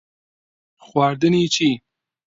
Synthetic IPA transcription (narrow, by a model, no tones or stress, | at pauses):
xwaːɾd̪ənit͡ʃi